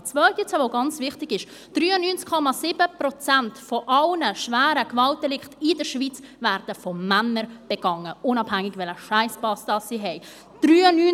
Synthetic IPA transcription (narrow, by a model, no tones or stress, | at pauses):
t͡svœltjɛt͡səvoɡɑnt͡svɪχtɪɡɪʃ | d̥ryːənyːnt͡skʰɔmɑsɪbəprɔt͡sæntfɔʔɑlnəʃvæːɾəkvɑlt̚dɛlɪktɪdəɾʃvit͡svæːɾd̥əfɔmænəɾb̥ɛɡ̥ɑŋːəʊnɑb̥hæŋːɪɡvɛləʃæɪspɑsd̥ɑːssiɦɛɪ | d̥ryːnyːn